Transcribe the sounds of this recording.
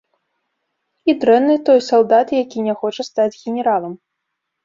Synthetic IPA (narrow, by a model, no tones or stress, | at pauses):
id̪ɾɛnːɨt̪ɔjsalˠd̪at̪jakʲinʲaxɔt͡ʂɐst̪ad͡zʲɣʲɛnʲɛɾalˠɐm